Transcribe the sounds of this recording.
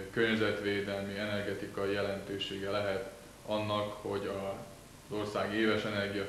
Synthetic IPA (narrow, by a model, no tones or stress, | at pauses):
kørɲɛzɛt̪ʋeːd̪ɛlmiɛnɛrɡɛt̪ikɒijɛlɛnt̪øːʃeːɡɛlɛɦɛt̪ | ɒnːɒkho̞ɟɒ | zo̞rsaːɡeːvɛʃɛnɛrɡijɒ